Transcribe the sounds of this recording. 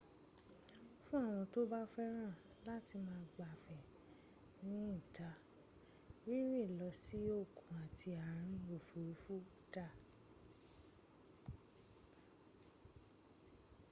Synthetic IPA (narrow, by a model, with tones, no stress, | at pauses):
fũ˦a˦˨w̃ɔ̃˧to˦ba˦fɛ˦ɾ̃ã˦˨ | la˦ti˧mãː˧˦˧ɡ͡ba˨fɛ˨ | nĩ˦ĩ˦˨ta˧ | wi˦ɾĩ˦˨lɔ˧˦si˨˦o˦˨kũ˨a˨tʰi˧a˨ɾ̃ĩ˧o˨fu˨ɾu˨˦fu˦ | ta˦˨